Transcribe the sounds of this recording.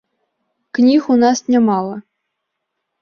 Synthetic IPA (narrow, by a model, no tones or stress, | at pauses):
knʲixunɑsnʲemɑlˠɤ̆